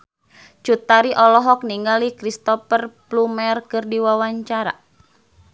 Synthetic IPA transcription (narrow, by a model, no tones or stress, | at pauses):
t͡ʃut̪aɾiʔɔlɔɦɔk̚niŋɡalikɾist̪ɔpərplumɛrkɨrdiwawaɲt͡ʃaɾa̰